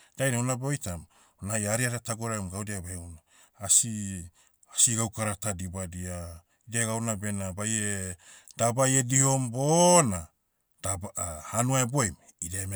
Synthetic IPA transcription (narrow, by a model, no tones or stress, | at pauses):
d̥ajnawnabeo̞jtam | onaajaɾiaɾataɡoɾamɡawdiabeeunaː | si | asiɡawkaɾatadibadia | ideɡawnabe̞nabajedabajediho̞mbona | dahanuaebo̞jm | ideme